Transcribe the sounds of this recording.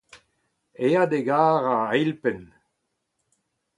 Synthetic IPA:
ead̪eɡaːʁaejlpɛn

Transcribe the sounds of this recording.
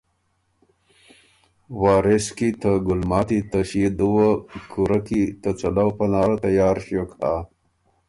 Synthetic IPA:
waːɾeskit̪ʰəɡulmaːt̪it̪əɕied̪uwɐkʰuɾɐkit̪ət͡sɐlɐwpɐnaːɾɐt̪ɐjaːɾɕoka

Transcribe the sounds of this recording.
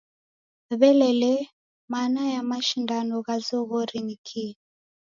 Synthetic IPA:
βɛlɛlɛ | manajamaʃindanɔɣazɔɣɔɾiɲikʰi

